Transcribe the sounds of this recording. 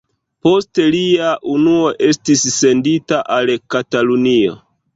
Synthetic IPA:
po̞ste̞liaʔunuo̞ʔe̞stisːe̞nditaʔalkatalunio̞̰

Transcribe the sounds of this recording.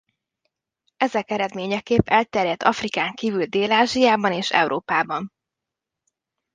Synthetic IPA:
ɛzɛkɛɾɛd̪meːɲɛkeːpːɛlt̪ɛrjɛt̪ʰːɒfrikaːŋkiːvyld̪eːlaːʒijaːbɒneːʃɛ̰wɾʔoːpaːbɒn

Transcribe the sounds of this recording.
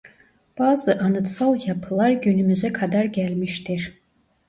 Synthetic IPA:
b̥aːzɯʔanɯt̪salˠjapʰlˠaɾɟʲynymyzɛkʰad̪aɾɟʲælmiʃt̪ʰiɾ

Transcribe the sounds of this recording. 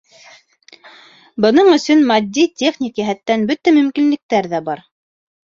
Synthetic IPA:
bɤ̆nɤɴɵ̆sɵnmɑd̪ʲːit̪ʲeχnʲikjæɦæt̪ːænbɵt̪æmɵ̆mkinlɘ̆k̚t̪æɾðæbɑɾ

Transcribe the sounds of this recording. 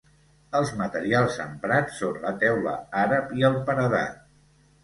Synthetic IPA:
əlˠzmət̪əɾialˠzəmpɾat͡sːonlət̪ɛwlə̰aɾəpiəlˠpənəða̰

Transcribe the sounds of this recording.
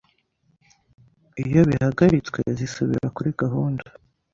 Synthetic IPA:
ijo̞βihaɡaɾit͡swḛzisuβḭɾakuɾiɡaɦuːndu̥

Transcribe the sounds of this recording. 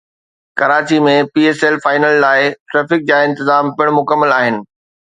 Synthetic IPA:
kɐɾaːt͡ɕimẽpiːeːseːlfaːɪnəllaːɪʈɾɛːfɪk̚d͡ʑaːɪ̃nt̪ɪzaːmpɪɽ̃mʊkəmːəlaːɦɪnɪ̆

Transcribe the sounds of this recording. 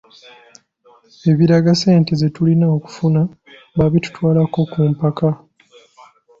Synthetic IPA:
e̞βiɾaɡase̞ːnte̞ze̞tulinaoku̥funa | βaβitu̥twaːlako̞kumpaka

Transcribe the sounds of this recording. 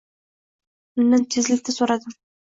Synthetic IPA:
ʊnːɪŋt̪ʰezɪlɪt̪ɪsoɾad̪ɪm

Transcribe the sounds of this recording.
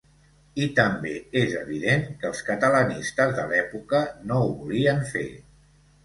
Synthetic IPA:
it̪əmbeezəβ̞iðeŋkəlˠskət̪ələnist̪əzðəlɛpukənouβuliəɱfḛ

